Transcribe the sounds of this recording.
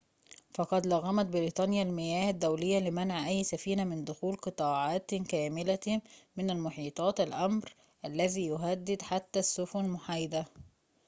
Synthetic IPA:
fɑqɑd̪lɑɣːæmæt̪̚bɪɾiːt̪ˤɑːnjalmɪjæːhæd̪ːæwlɪjːælɪmænʕʔæjːsæfiːnæmɪnd̪ʊxuːlqɨt̪ˤɑːʕɑːt̪kæːmɪlæmɪnælmʊħiːt̪ˤɑːt̪ælʔæmɾ | ʔælːæðiːjʊɦæd̪ːɪd̪ħat̪ːæsːʊfʊnmʊħajd̪æ

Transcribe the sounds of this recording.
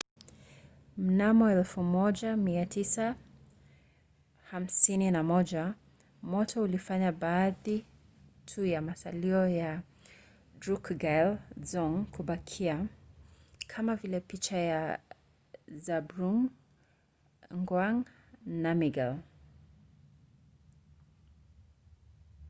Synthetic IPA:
m̩namɔɛlfumɔʄamiatʰisa | ham̩sininamɔʄa | mɔtʰɔulifaɲabaːði | tʰujamasa̰liɔja | dɾukɡalzɔŋkʰuɓakʰia | kʰamavilɛpit͡ʃaja | zabɾuŋ | ŋɡwaŋ | namiɡal

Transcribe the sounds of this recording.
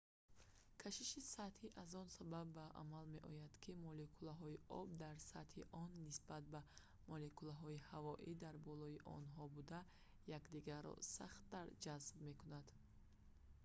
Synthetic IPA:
kʰaʃiʃisat̪hiʔazɔnsababːaʔa̰malme̞̰ʔɔjad̪̥kʰimɔlekʰulaɦɔiʔɔ̰bd̪aɾsat̪hiʔɔnːisbat̪̚ba | mɔlekulaɦɔihavɔʔid̪aɾbɔlɔiʔɔ̰nɦɔbud̪a | jakd̪iɡaɾɔ̰sa̰χt̪ːaɾd͡ʒazb̚me̞kunad̪̥

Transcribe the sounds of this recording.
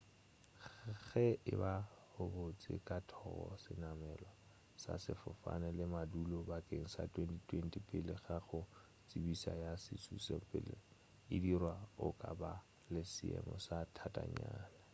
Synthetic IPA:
ɣɛʔɪbahʊbʊt͡sʼɪ̰kʼatʰɔɣɔ̰sɪnamɛːlwa | sa̰sɪfʊfa̰nɛlɪmadulɔbakʼeŋ̩sa̰tʰʼwentʼitʰwentʼipʼɪlɪɣaχʊ | t͡sʼibisajasɪt͡sʼʰuseŋpʼɪlɪ | ɪdirwaʊkʼaba | lɪsɪɛ̰mɔsatʰatʼaɲaːna

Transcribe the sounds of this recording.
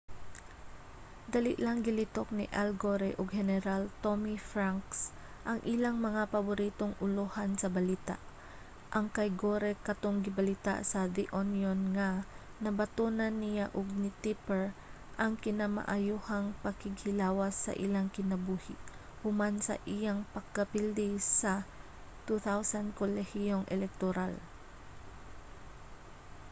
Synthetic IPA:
d̪ɐlɪ̰ʔlaŋɡɪlɪt̪ok̚nɪʔalɡoɾɛʔoɡhɛnɛɾalt̪omifɾaŋks | ʔɐŋʔilaŋmɐŋapɐbʊɾiːt̪oŋʊlohansɐbɐliːt̪a̰ʔ | ʔɐŋkɐjɡoːɾɛkɐt̪oŋɡɪbɐlit̪a̰ʔsɐd̪iʔonjonŋɐ | nɐbɐt̪unɐnːɪjaʔʊɡ̚nɪt̪ipɛɹ | ʔɐŋkɪnama̰ʔajuhaŋpɐkɪɡhɪlaːwaɐsːɐ̰ʔilaŋkɪnɐbuːhɪʔ | hʊmansɐ̰ʔijaŋpɐɡ̚kːɐpild̪isɐ | t̪uθawsand̪kolɛhijoŋʔɛ̰lɛk̚t̪oɾal

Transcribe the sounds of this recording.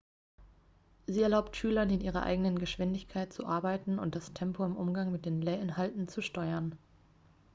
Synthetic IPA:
ziːɛɐlaʊptʃyːlɐnɪnʔiːʁɐ̰ʔa̰ɪɡənənɡəʃv̥ɪndɪçkʰaɪt̚t͡suʔaɐbaɪtn̩ʊ̰nt̚d̥astʰɛmpʰoɪmʔʊmɡaŋmɪt̚d̥eːnleːɐʔɪnɦaltn̩t͡suʃtɔʏɐn

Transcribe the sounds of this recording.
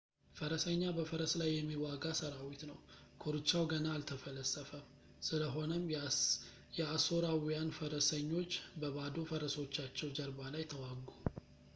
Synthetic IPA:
fəɾəsəɲːabəfəɾəslajːɛmːiwaɡasəɾawit̪nəw | kʰoɾɨt͡ʃːawɡənaːlt̪ʰəfələsːəfəm | sɨləɦo̞nəm | jɛaso̞ɾawijanfəɾəsəɲːo̞t͡ʃːbəβad̪ofəɾəswot͡ʃːat͡ʃːɛwd͡ʒəɾbalajt̪ʰəwaɡu

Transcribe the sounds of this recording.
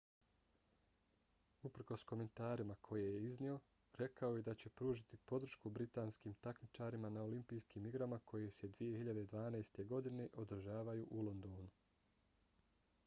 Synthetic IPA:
upr̩ko̞sko̞me̞nt̪aːɾimakʰo̞jejeiznio̞ | ɾe̞kaojed̪at͡ɕe̞pɾuːʒit̪ipo̞d̪ɾr̩ʃkubɾit̪aːnskiːmt̪akmit͡ʃaɾimanao̞limpijskiːmiɡɾamakʰo̞je̞se̞d̪ʋije̞hiʎad̪ed̪ʋaːnajst̪e̞ɡo̞d̪ine̞ʔo̞d̪r̩ʒaːʋajuʔulˠo̞nd̪oːnu

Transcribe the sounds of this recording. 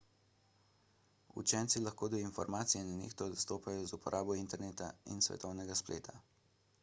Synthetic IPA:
ṵt͡ʃɛnt̪silaxkoːd̪ɔinfɔ̰ɾmaːt̪sijɛnanḛːxt̪ɔd̪ɔst̪oːpajɔzupɔɾʔaːbɔint̪ɛɾneːt̪a̰ḭnsʋɛ̰t̪ɔwnɛɡasplḛːt̪ʰa

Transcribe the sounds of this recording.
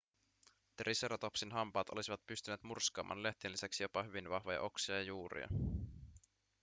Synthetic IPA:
t̪rʔiseɾɑt̪o̞psinɦɑmpɑːt̪o̞lisiʋɑt̪̚pyst̪yneːt̪murskɑːmʔɑ̰ːnle̞ht̪inlːisæksijopɑɦyʋinʋɑhʋojɑ̰ʔoksiɑjɑjuːɾḭɑ̰

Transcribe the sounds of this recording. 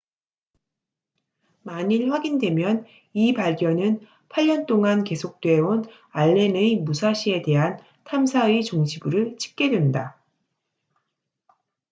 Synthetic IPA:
maɲiɭɸwaɡindwe̞mjʌn | ipaɭɡjʌnɯn | pʰaʎːʌnt͈oŋanke̞sʰok̚t͈we̞on | aɭːe̞nemusʰaɕʰie̞de̞ɦan | tʰamsʰait͡ɕoŋɕʰibɯɾɯɭt͡ɕʰi̥k̚k͈e̞dwe̞nda

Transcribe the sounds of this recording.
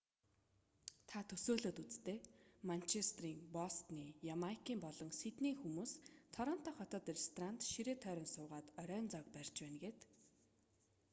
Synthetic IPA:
t̪ʰat̪ʰɵsoːɮoːt̪ut͡st̪eːman̥t͡ɕʰest̪riːŋpɔst̪niːjamakiːmpɔɮɞ̆ŋset̪niːxumuːst̪ʰɔɾɔːn̥t̪ɔːχɔt̪ɔːt̪rest̪ran̥t̪ʃiɾeːt̪ʰœːɾʲɞ̆nsʊːʁaːt̪œɾʲœːnt͡sɔk̚pær̥ʲt͡ɕpæːnɡeːt̪

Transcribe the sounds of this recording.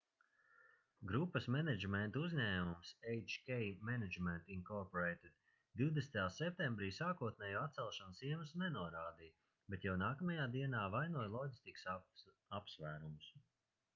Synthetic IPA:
ɡɾupːɐsmɛned͡ʒmɛnt̪uzʲɲæːmumsejt͡ʃkʲɛjmɛned͡ʒmɛnt̪inkɔɾpɔɾejt̪ed̪̥ | d̪iwd̪est̪ajaːsɛp̚t̪ẽmbɾiːsaːkuɔt̪̚nɛːjuat̪̚sɛlˠʃansiɛnusnɛnuɔɾaːd̪iː | be̞t̪jawnaːkɐmɐjaːd̪iɛnaːvajnuɔjlˠɔɡʲist̪iks | apsvæːɾumus

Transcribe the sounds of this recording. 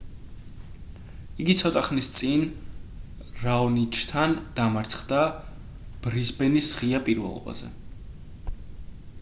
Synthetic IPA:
iɡit̪sʰɔt̪ʼaχmnist̪sʼin | ɾaɔnit͡ʃʰt̪ʰand̪̥amaɾt̪sʰχd̪a | b̥ɾizbɛnisʁiapʼiɾvɛ̰lˠɔ̰ba̰zɛ̰

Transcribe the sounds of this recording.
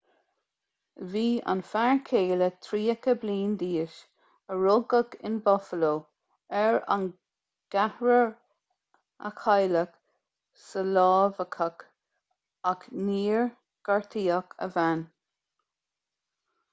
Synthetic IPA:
viːa̰nfaɹkʰeːlət̪ʰɾiːəkəbliːnd̪iːəʃ | əɹʊɡəɡɪ̰nbɔfəloː | ɛɹa̰n | ɡ̥ahɹəɹ | ə̰kʰajlək | səlɑːvəkʰək | akniːɹ | ɡ̥aɹt̪ʰiːəkʰə̰van

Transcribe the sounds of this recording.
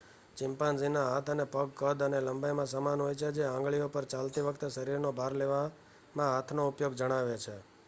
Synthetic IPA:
t͡ʃɪ̃mpãnzinaɦat̪ʰənepəɡkəd̪əneləmbajmãsəmanɦojt͡ʃʰed͡ʒeãŋɡɭijopəɾt͡ʃalt̪iʋəkʰt̪ʃəɾiɾnobʱaɾleʋa | mãɦat̪ʰnoupjoɡd͡ʒəɽ̃aʋet͡ʃʰe

